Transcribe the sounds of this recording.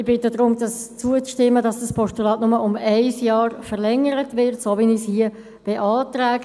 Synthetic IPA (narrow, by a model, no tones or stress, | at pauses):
ɪb̥ɪtədʁʊmdɑst͡suət͡sʃtɪmːədɑsd̥ɑspʰɔʃtulɑːtnʊməʔʊmaɪsjɑːʁfəʁlɛŋːəɾətvɪʁtsoːvinɪshiə | b̥eʔɑːtʁɛːɡ̥ə